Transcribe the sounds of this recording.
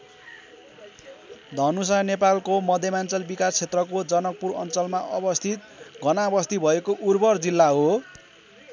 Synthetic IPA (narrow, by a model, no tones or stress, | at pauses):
d̪ʱʌnus̬anepalkomʌd̪ʱjʌmant͡sʌlbikast͡sʰet̪rʌkod͡zʌnʌk̚purʌ̰nt͡sʌlmaʔʌbʌst̪ʰit̪̚ | ɡʌnabʌst̪ibʱʌekoʔurbʌrd͡zilːaɦo